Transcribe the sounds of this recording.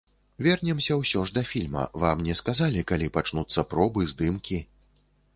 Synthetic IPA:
vʲɛrnʲɛmsʲɐwsʲɔʐd̪ɐfʲilʲmɐ̰vamnʲɛskazalʲikalʲipat͡ʂnut̪sːɐpɾɔbɨzd̪ɨmkʲi

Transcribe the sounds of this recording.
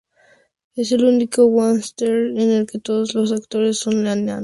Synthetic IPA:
eselunikowanst̪eɾenelket̪oðoslosakt̪oɾesːonleanean

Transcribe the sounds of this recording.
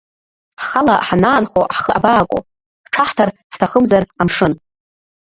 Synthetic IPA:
ħχala̰ħanaːnχoħχəa̰baːkʷʼo̰ | ʈ͡ʂʰaħtʰarħtʰaχəmzaramʂɨn

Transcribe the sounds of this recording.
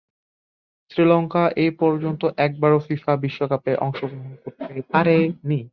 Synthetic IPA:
sɾilɔŋkaʔepɔɾd͡ʑont̪oʔɛk̚baɾofifabiʃːokapeʔɔ̰ŋʃoɡɾoɦonkoɾt̪epaɾeni

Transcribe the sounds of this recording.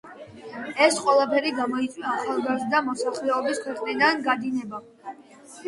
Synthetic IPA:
ɛsqʼwɛlˠapʰɛɾiɡamɔit̪sʼwiaːχalˠɡazd̪d̪amɔsaχlɛɔbiskʰwɛqʼnid̪anɡad̪inɛba

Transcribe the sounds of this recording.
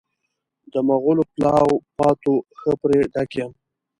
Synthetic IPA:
d̪əmaɣʊloplɑwpɑt̪oxəpɾeɖakjəm

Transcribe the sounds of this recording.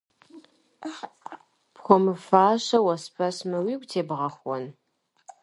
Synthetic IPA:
pxʷɔmɨfaːɕɐwɐspʰɐsmɨwiːɡʷʼtʰeːbʁɐχʷɔn

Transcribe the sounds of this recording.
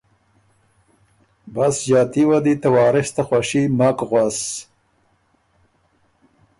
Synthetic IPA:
basd͡ʑɑːt̪iwad̪it̪awɑːɾɪst̪axwaʃimakɣwas

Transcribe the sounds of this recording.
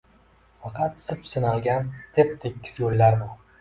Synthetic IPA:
fɑqʰɑt̪sɪpsɪnalˠɡʲant̪ʰep̚t̪ʰekʲʰːɪ̥sjolːaɾbʊ

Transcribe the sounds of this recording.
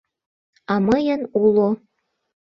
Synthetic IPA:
ɑmɤjənulˠo

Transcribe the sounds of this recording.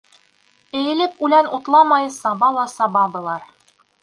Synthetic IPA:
ɘ̆jɘ̆lɘpʉlænut̪lˠɑmɑjsɑβɑlˠɑsɑbɑbɤ̆lˠɑɾ

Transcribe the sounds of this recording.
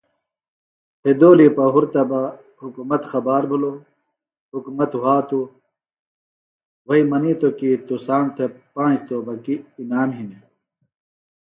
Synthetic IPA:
hʰed̪oːlipɐɦuɾt̪ɐbɐ | hukumɐt̪xɐbaːɾbʱɐlo | hukumɐt̪waːt̪u | wɐimɐnit̪okit̪usaːnt̪ʰepãːt͡ʃt̪obɐkiːnaːmɦine

